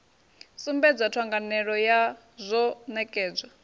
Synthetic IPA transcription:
sumbɛd͡zatʰwaŋɡanɛɺɔja | zʷɔnɛkʼɛːd͡za

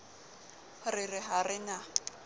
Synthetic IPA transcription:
rɪrɪɦarɪna

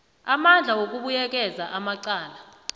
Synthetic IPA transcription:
amand͡ɮʱawok̬ʼuɓujɛk̬ʼɛzaʔamaǀaːla

